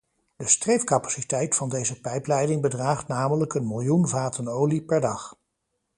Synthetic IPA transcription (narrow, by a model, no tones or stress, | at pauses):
dəstrejfkɑpḁsitɛjtfɑndejzəpɛjplɛjdɪŋbədraːχtnaːmələkənmɪlˠjunvaːtənowlipɛɹdɑχ